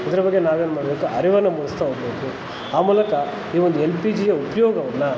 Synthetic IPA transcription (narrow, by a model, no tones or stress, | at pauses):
id̪ɐɾɐbɐɡːenaːʋeːnumaːɽɐbeːkuʔɐɾiʋɐnːɐmulɐst̪ʰaːɦoɡbeːku | aːmuːlɐkɐ | iːʋond̪uelpiːd͡ʒijɐupɐjɔːɡɐʋɐnːɐ